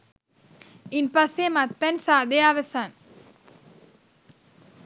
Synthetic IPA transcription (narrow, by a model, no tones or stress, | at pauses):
inpasemat̪̚pɛnsaːd̪eaʋəsan